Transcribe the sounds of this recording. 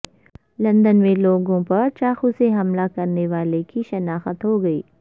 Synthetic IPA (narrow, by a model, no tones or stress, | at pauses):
lɐ̃nd̪ənmẽloːɡõpɐɾt͡ʃaːxuseɦɐmlakɐɾneʋaːlekiʃɐnaːxət̪ɦoɡɐḭː